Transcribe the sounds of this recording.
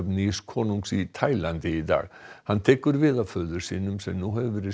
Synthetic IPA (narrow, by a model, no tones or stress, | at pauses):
pniskʰɔːnuŋksit̪ʰajlant̪ɪid̪a̰ːɣhant̪ʰɛːkʏɾvɪːðafœːðʏɾ̥sḭːnʏmsɛmnuːhɛvɪɾɪ